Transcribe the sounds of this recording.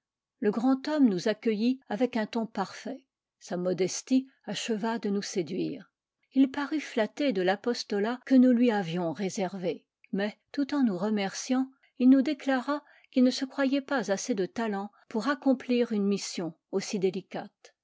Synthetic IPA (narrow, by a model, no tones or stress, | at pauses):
ləɡʁɑ̃t̪ɔmnuzakʲəjiavɛkɛ̃t̪ɔ̃paʁfɛ | samɔd̪ɛst̪i | aʃəvad̪ənused̪ɥiːʁ | ilpaʁyflat̪ed̪əlapɔst̪ɔlakənulɥiavjɔ̃ʁezɛʁve | mɛt̪ut̪ɑ̃nuʁəmɛʁsjɑ̃ | ilnud̪eklaʁa | kʲilnəsəkχwajɛpazased̪ət̪alɑ̃ | puʁakɔ̃pliʁynmisjɔ̃ | osid̪elikʲat̪